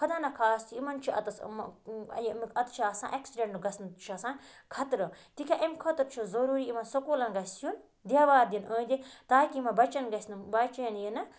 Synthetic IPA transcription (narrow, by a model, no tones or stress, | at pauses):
kʰɐd̪aːnɐkʰaːst̪ʰiimɐnt͡ʃʰiɐ̰t̪ɐsmjmɐt̪t͡ʃʰaːsã̰ːʔɐksiɖẽɳʈnɨɡɐsnt͡ʃʰɐsãːnkʰɐt̪ɾɨt̪ikʰʲaʔɐmʲkʰɐt̪ɾt͡ʃʰuzɐɾuːɾiimɐnsɐkoːlɐnɡɐsʲjun | d̪ʲjaːʋaːɾd̪inoːnd̪it̪aːkimɐbɐt͡ʃɐnɡɐsʲnɨbat͡ʃɐnjinɐ